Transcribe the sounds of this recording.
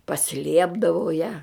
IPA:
pɐˈsʲlʲiɛbdɐʋɐʊ jɛ

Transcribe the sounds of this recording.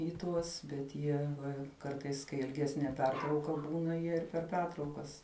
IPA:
ɪ ˈtuɔs bʲɛt ˈjiɛ ˈʋɐ ˈkɐrtɐɪs kɐɪ ɪlʲˈɡʲæːsʲnʲiɛ ˈpʲɛrtrɐʊkɐ ˈbuːnɐ ˈjiɛ ɪr pʲɛr ˈpʲɛrtrɐʊkɐs

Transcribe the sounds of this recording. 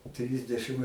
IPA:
ˈtʲrʲɪzʲdʲɛʃɨm

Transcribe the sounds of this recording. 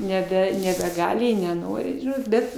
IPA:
nʲɛˈbʲɛ nʲɛbʲɛˈɡɑːlʲɪ ɪ nʲɛˈnoːrʲɪ ˈʒʲɪnoːt ˈbʲɛt

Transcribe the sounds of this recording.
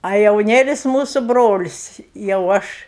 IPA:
ɐ jɛʊˈnʲeːlʲɪs ˈmuːsʊ ˈbroːlʲɪs jɛʊ ˈɐʃ

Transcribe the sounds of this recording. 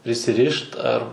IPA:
pʲrʲɪsʲɪˈrʲɪʃt ɐr

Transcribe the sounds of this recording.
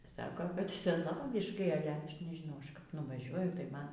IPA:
ˈsɑːkoː kɐt sʲɛˈnoːʋʲɪʃkɐɪ ˈɑːlʲɛ ˈɐʃ nʲɛʒʲɪˈnɐʊ ˈɐʃ kɐp nʊʋɐˈʒʲuɔjʊ tɐɪ ˈmɐn

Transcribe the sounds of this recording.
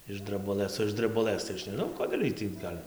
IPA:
ɪʃ drɐbʊˈlˠɘs oː ɪʃ dʲrʲɛbʊˈlˠɘs tɐɪ ˈɐʃ nʲɛˈʒnɐʊ ˈkoːdʲeːlʲ ˈiɛj tʲiː ˈɡɐlʲ

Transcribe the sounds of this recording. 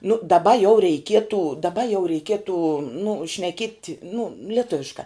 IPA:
nʊ dɐˈbɐ jɛʊ rʲɛɪˈkʲiɛtʊ dɐˈbɐ jɛʊ rʲɛɪˈkʲiɛtʊ nʊ ʃʲnʲɛˈkʲiɛtʲ nʊ lʲiɛˈtʊʋʲɪʃkɑː

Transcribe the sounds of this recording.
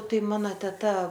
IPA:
ˈtɐɪ ˈmɑːnoː tʲɛˈtɐ

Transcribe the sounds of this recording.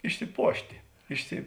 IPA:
ɪʃʲsʲɪˈpuɔʃʲtʲɪ ˈɪʃʲsʲɪ

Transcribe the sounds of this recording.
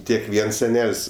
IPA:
ˈtʲiɛk ˈʋʲiɛns sʲɛˈnʲɛlʲsʲ

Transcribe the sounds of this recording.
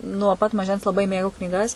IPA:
nuɔ pɐt mɐˈʒʲɛns lˠɐˈbɐɪ ˈmʲeːɡɐʊ knʲiːˈɡɐs

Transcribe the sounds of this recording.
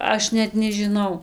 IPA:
ˈɐʃ nʲɛt nʲɛʒʲɪˈnɐʊ

